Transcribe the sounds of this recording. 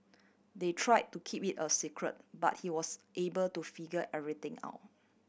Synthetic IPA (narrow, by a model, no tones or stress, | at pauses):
detʰɹaɪd̚tukʰipitəsikʰɹə̰t̚ba̰t̚hiwɔsʔebəltufiɡəʔɛvɹit̪ɪ̃ŋa̰ʊt